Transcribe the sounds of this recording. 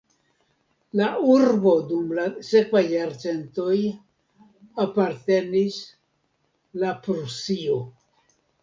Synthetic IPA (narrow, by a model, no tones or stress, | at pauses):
lauɾbo̞dumlase̞kvajːaɾt͡se̞nto̞j | apaɾte̞nis | lapɾusio̞